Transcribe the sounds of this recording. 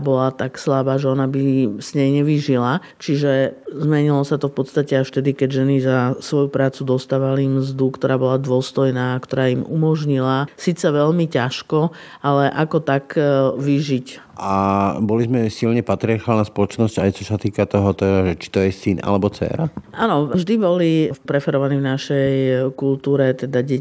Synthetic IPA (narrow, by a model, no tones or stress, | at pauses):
bɔlat̪akslabaːʒɛɔnabiz̥ɲɛjɲɛʋiʒila | t͡ʃiʒɛzmɛɲilɔsat̪ɔfpɔt̪st̪acɛaʃft̪ɛd̪ikɛɟʒɛnizasʋɔjupɾaːt͡sud̪ɔst̪aːʋalimzd̪ukt̪ɔɾaːbɔlad̪ʊɔst̪ɔjnaːkt̪ɔɾaːimṵmɔʒɲilasiːt͡sɛʋɛʎmicaʃkɔalɛʔakɔt̪akʋiʒic | ʔabɔlizmɛsilɲɛpat̪ɾiaɾxaːlnaspɔlɔt͡ʃnɔscajt͡ʃɔsat̪iːkat̪ɔɦɔt̪ɛd̪aʒɛt͡ʃi̥t̪ɔjɛsinʔa̰lɛbɔt͡sɛ̰ːɾaʔaːnɔvʒd̪ibɔlipɾɛfɛɾɔʋanivnaʃɛjkult̪uːɾɛt̪ɛd̪aɟɛ